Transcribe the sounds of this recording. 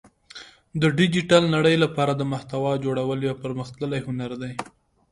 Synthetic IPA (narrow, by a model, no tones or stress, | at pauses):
d̪əɖɪd͡ʒiʈalnaɽəjlapɑɾad̪əmaht̪awɑd͡ʒoɽawəljɑpəɾməxt̪ləlajhʊnaɾd̪aj